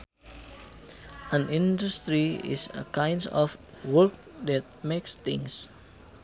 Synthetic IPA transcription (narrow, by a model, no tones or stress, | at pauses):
ãnĩndust̪ɾiḭsə̰kãjndɔf | wəlk̚ | dɛt̪̚mekst̪ĩŋs